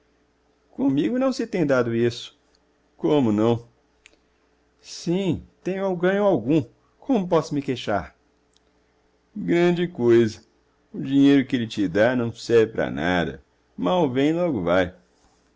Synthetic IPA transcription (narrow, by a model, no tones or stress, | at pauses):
kõmiɡʊnɐ̃w̃sɪt̪ẽj̃d̪ad̪ʊisʊ̥ | kõmʊnɐ̃w̃ | sĩt̪ẽj̃ʊaɡɐ̃ɲʊawɡũ | kʰõmʊpɔsʊmɪkejʃa̰ɾ | ɡɾɐ̃d͡ʒɪkojzɐ | ʊd͡ʒiɲejɾʊkɪelɪt͡ʃɪd̪anɐ̃w̃sɛɾvɪpɾɐ̰na̰d̪ɐ̰ | mawvẽj̃lɔɡʊvaj